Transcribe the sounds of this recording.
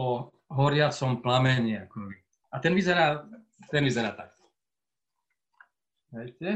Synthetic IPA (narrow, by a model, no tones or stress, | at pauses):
ɔ | ɦɔɾɪat͡sɔmplamɛɲɪiakɔʋi | at̪ɛnʋizɛɾaː | t̪ɛnʋizɛɾaːt̪ak̚ | ʋɛjtʲɛ